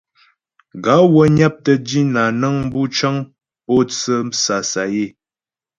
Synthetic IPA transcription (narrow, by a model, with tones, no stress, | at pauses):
ɡa˨˦wə˦ɲa˦p̚tə˦di˦na˨nə˦ŋm̩˦bu˦t͡ʃə˦ŋ | po˦t͡sə˦m˦sa˨sa˨je˦˨